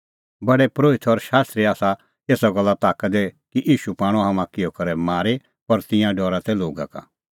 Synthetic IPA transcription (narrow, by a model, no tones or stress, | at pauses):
bɐɽɛpɾoːɪt̪ʰɔɾʃaːst̪ɾiaːsa | eːsaɡɔlːat̪aːkəd̪ɛkiʔiːʃupaːɽ̃oɦamãkɪjokɐɾɛmaːɾe | pɔɾt̪ɪ̃jãɖɔːɾat̪ɛloːɡa̰ka̰